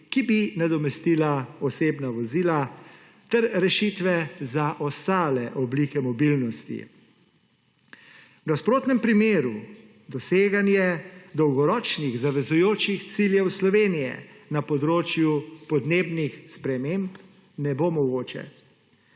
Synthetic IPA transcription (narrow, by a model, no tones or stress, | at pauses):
kibinad̪ɔmɛst̪ilaɔseːbnaʋɔziːla | t̪ɛɾɾɛʃit̪ʋɛzaʔɔst̪aːlɛʔɔbliːkɛmɔbilnɔst̪ḭ | wnaspɾoːt̪nɛmpɾimeːɾu | d̪ɔseːɡanjɛd̪ɔwɡɔɾɔːt͡ʃniɣzaʋɛzujoːt͡ʃixt̪siljɛwslɔʋeːnijɛ̰napɔd̪ɾoːt͡ʃjupɔd̪neːbnixspɾɛmemp | nɛbomɔɡoːt͡ʃɛ̰